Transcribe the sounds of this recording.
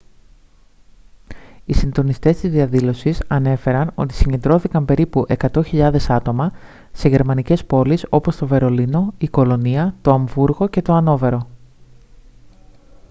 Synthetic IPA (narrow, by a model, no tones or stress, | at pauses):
isind̪o̞nist̪e̞st̪izðiɐðilo̞sisɐne̞fe̞ɾɐno̞̰t̪i̥siɲend̪ɾo̞θikɐmpe̞ɾipuʔe̞kɐt̪o̞çiʎɐðe̞sɐt̪o̞mɐ | se̞ʝe̞ɾmɐnice̞spo̞liso̞po̞st̪o̞ve̞ɾo̞lino̞iko̞lo̞niɐt̪o̞ɐɱvuɾɣo̞ce̞t̪o̞ɐno̞ve̞ɾo̞